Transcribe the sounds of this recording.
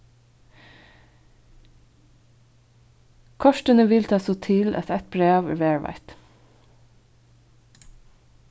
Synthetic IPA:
kʰɔʃʈənəʋɪlt̪ʰɑːsoːt̪ʰɪlʔɑ̰t̪ɛt̪̚b̥ɹeːʋæ̰ʋeːɹʋæ̰ɪt̪

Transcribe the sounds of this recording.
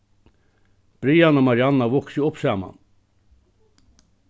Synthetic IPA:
b̥ɾiːanəmaɾjanːaʋʊksiʊpsæːma̰n

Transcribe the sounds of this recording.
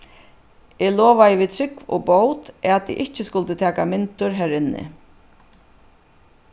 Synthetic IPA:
ɛlɔːʋajəʋit̪ʰɾɪkvɔ̰bowt̪at̪t̪ḭʔɪht͡ʃɪskʊlt̪ɪt̪ʰæːkamɪnt̪ʊɹɦæɾɪnːɪ̰

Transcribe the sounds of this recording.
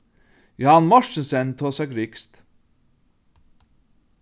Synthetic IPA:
jʊhɑnmɔʃən̩sɛnt̪ʰoːsæɡɾɪkst̪

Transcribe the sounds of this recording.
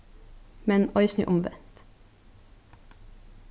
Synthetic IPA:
mɛnɔʏsnʏ̰ʔʊmʋɛ̰nt̪

